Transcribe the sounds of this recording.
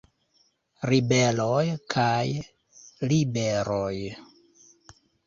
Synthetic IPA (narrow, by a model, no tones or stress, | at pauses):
ɾibelojkʰaj | libeɾoj